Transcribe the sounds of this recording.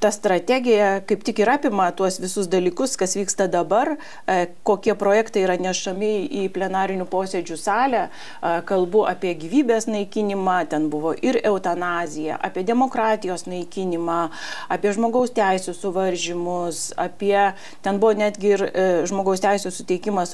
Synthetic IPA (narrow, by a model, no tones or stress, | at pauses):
t̪ɐst̪ɾɐt̪ʲæːɡʲɪjɛkɐɪpt̪ʲɪkɪɾɑːpʲɪmɐt̪uɔsʋʲɪsʊs̬d̪ɐlʲiːkʊskɐsʋʲiːkst̪ɐd̪ɐbɐr | koːkʲiɛpɾoːjɛkt̪ɐɪiːɾɐnʲɛʃɐmʲɪiːpʲlʲɛnɑːɾʲɪnʲʊpoːsʲed͡ʒʲʊsɑːlʲæ | kɐlˠbʊʔɑpʲiɛɡʲiːʋʲiːbʲeːsnɐɪkʲɪnʲɪmɑːt̪ʲɛnbʊʋoːʔɪɾɛʊt̪ɐnɑːzʲɪjɛ̰ʔɑ̰ːpʲiɛd̪ʲɛmoːkɾɑːt̪ʲɪjoːsnɐɪkʲɪnʲɪmɑːɑːpʲiɛʒmoːɡɐʊst̪ʲæɪsʲʊsʊʋɐɾʲʒʲɪmʊsɐ̰pʲiɛ | t̪ʲɛnbʊʋoːnʲæːd̪ʲɡʲɪɪrʒmoːɡɐʊst̪ʲɛɪsʲʊsʊt̪ʲɛɪkʲɪmɐs